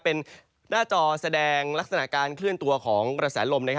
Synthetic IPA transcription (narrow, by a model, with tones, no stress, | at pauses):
pe˧n | naː˥˩t͡ɕɔː˧sa˧dɛː˧ŋla˦˥k̚sa˧na˨˩ʔkaː˧nkʰlɯ˥˩ənt̪u˧ɐkʰɔː˩˦ŋɾa˧sɛː˩˦lo˧mna˥kʰ